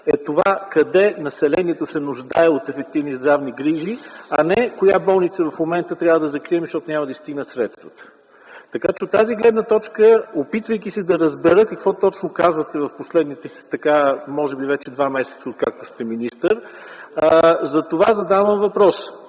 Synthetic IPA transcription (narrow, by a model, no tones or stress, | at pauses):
ɛt̪ovakɐd̪ɛnɐsɛlɛniɛt̪osɛnʊʒd̪aɛot̪ɛfɛk̚t̪ivnizd̪ɾavniɡɾiʒiɐnɛkojabɔlˠnit̪səvɐfmomɛnt̪ət̪ɾʲavəd̪ɐzɐkɾiɛmiʃt̪ɔt̪onʲaməd̪əist̪iɡnəsɾɛt̪st̪vət̪ə̥ | t̪ɐkat͡ʃɛot̪ːaziɡlɛd̪nət̪ɔt͡ʃkəopit̪vəjk̟ʲisɛd̪ɐɾəzbɛɾɤkɐkvɔt̪ɔt͡ʃnokazvət̪ɛvɐfposlɛd̪nit̪ɛst̪ɐkamɔʒɛbivɛt͡ʃɛd̪vamɛsɛ̥t̪səot̪̚kak̚t̪ost̪ɛminist̪əɾ | zɐt̪ovazɐd̪avəmvɐpɾɔs